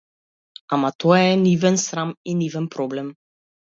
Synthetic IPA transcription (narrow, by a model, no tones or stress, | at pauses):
amat̪ɔaɛnivɛnsɾaminivɛnpɾɔblɛm